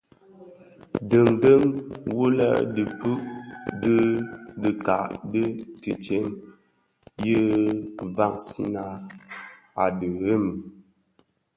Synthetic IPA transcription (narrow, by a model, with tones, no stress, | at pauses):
də˨ŋɡə˦ŋwu˦lə̰˦˨də˨pʉ˦ʔdə˦də˨ka̰˨ʔdə˦tɨ˨t͡ʃe˨˦n | jə˦va˦˨ŋsḭ˦na˨ | a˨də˨ɣe˦mə˨